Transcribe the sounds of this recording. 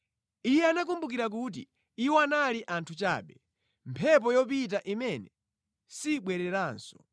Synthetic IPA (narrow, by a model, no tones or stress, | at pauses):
ijɛanak̬umbuk̬iɾak̬ut̬ḭ | iwɔanaliʔantʰut͡ʃa̰ːɓɛ | mpʰɛp̬ɔjɔp̬it̬aʔimɛnɛ | siɓwɛɾɛɾaːnsɔ̥